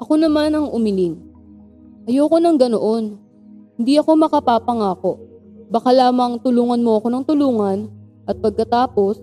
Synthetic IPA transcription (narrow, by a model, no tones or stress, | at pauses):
ʔɐko̞nɐmanɐŋʔʊmɪlin | ʔɐjowko̞nɐŋɡɐnoʔo̞n | hɪnd̪iʔɐko̞mɐkɐpaːpɐŋaːko̞ʔ | bɐkalaːmɐŋt̪ʊluːŋɐnmoʔɐko̞nɐŋt̪ʊluːŋɐn | ʔɐt̪̚pɐɡ̚kɐt̪aːpo̞s